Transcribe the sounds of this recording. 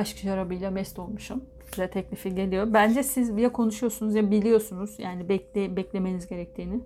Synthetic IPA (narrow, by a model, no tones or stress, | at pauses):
aʃkʰɯʃaɾabɯjlʲˠamɛst̪ʰo̞lˠmuʃum | izɛt̪ʰɛcnʲifiɟe̞lʲijo̞ɾmbænd͡ʒɛsizjakʰo̞nuʃujo̞sunuzjabilʲijo̞sunuz̥jaːnibɛebɛclʲe̞me̞nizɟe̞ɾɛc̚t̪ʰiːnɪ